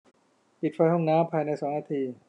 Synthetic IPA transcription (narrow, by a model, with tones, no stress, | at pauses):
pi˨˩t̪̚fa˧jhɔ˥˩ŋnaː˦˥mpʰaː˧jna˧jsɔː˩˦ŋnaː˧t̪ʰiː˧